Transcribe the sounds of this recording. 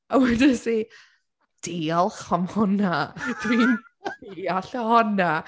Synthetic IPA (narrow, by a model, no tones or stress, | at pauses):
awɛdɪsi | d̥iɔlˠχhɔmhɔnad̥win | iaɬahɔna